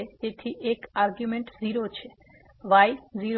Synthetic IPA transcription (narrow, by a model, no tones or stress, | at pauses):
eet̪ʰiʔekaɾɡjumeɳʈziɾot͡ɕʰe | ʋajziɾ